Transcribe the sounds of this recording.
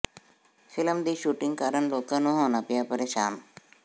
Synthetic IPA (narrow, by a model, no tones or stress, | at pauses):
fʰɪləmd̪iːʃuːʈɪ̃ŋɡ̚kaːɾəɳloːkãːnũːɦoːnaːpɪjaːpəɾeːʃaːn